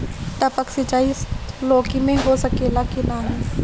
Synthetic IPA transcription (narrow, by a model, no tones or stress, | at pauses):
t̪ɐpəksɪt͡ʃaːisloːkimẽɦosɐkeːlakinaɦɛ̃ː